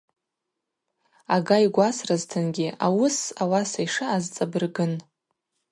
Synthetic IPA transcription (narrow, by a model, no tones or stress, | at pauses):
aɡajɡʷasraztʰɨnɡʲiʔawʊsawasajʂaːzt͡sʼabɨrɡɨn